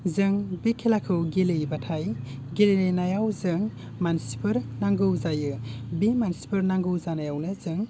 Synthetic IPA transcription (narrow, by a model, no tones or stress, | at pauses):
zɯŋbekʰelakʰɯwɡelɯjbatʰajɡelelejnajawzɯŋ | mansi̥pʰɯɾnaŋɡɯwzajɯbemansi̥pʰɯɾnaŋɡɯwzanajawnɯzɯŋ